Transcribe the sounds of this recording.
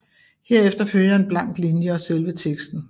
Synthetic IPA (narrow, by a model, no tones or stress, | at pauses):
he̝ɐ̰efd̥ɐføl̰jɐe̝nb̥lɑ̈ŋ̰d̥linjəɒ̽selʋət͡sʰeɡ̥sd̥n̩